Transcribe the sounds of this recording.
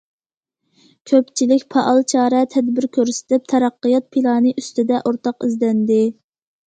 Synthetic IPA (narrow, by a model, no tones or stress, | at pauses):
kʲʰøpt͡ʃʰilɪkʲpʰɑʔɑlˠt͡ʃʰɑːɾɛt̪ʰɛd̪bɪɾkʲʰøɾsɪ̥t̪ʰɪp̚t̪ʰɑɾɑqːɨjɑt̪̚pʰilˠɑːnɨʔyst̪ɪd̪ɛʔoɾt̪ɑqizd̪ɛnd̪ɪ